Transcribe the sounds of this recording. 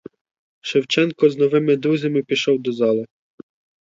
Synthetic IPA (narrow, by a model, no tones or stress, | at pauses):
ʃɪwt͡ʃɛnkɔznɔʋɪmɪd̪ɾuzʲɐmɪpʲiʃɔwd̪ɔzɑlˠɪ